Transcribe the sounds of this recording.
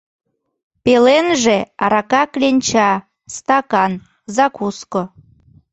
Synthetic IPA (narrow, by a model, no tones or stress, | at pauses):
pelenʒeɑɾɑkɑklʲenʲt͡ɕɑ | st̪ɑkɑn | zɑkusko